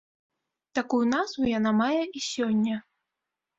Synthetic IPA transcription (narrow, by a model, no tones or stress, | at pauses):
t̪akujunazvujan̪amajɛʔisʲɔnʲːɐ